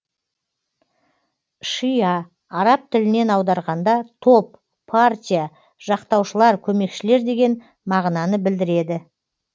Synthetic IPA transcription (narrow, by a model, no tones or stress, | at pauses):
ʃijɑ | ɑɾɑp̚t̪ʰɪlɪne̞nɑwd̪ɑɾʁɑnd̪ɑt̪ʰo̞pːʰ | art̪ʲija | ʒ̥ɑqt̪ɑwʃəlˠɑɾkʲʰɵme̞kʃɪle̞ɾd̪e̞ɡʲe̞n | mɑʁnɑnəbɪld̪ɪɾe̞d̪ɪ